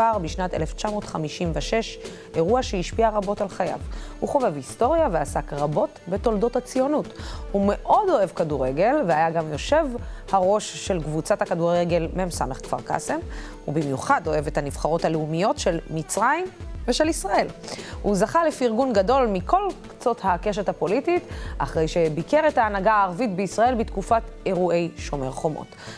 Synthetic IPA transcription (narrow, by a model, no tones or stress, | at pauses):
aʁbiʃnateleft͡ʃamo̞ːtχamiʃimvaʃe̞ʃ | ʔe̞ʁuaʃehiʃpiaʁabo̞talχaja̰vhuχove̞visto̞ʁjaveasakʁabo̞tbe̞to̞ldo̞that͡sijo̞nuthume̞ʔo̞do̞e̞vkaduʁeɡe̞lveajaɡamjo̞ʃe̞vhaʁo̞ʃːe̞lkvut͡satakaduʁe̞ɡe̞lmeemsa̰me̞χkv̥a̰ʁka̰sem | ubimjuχado̞e̞vethaniv̥χaʁo̞thaleumijo̞tʃe̞lmit͡sʁaimveʃe̞lisʁae̞lhuzaχalefiiʁɡunɡado̞lmikʰo̞lkt͡so̞thake̞ʃ̬ethapo̞lititʔa̰χʁe̞jʃe̞bike̞ʁetaːnaɡaːʁvitbeisʁae̞lbitkufate̞ʁuʔe̞jʃomḛʁχo̞mo̰t